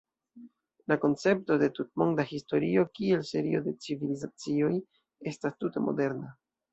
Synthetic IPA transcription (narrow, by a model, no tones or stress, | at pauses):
lako̞nt͡se̞p̚to̞de̞tut̚mo̞ŋdahisto̞ɾio̞kie̞lse̞ɾio̞de̞t͡sivilizat͡sio̞j | e̞stastute̞mo̞̰de̞ɾna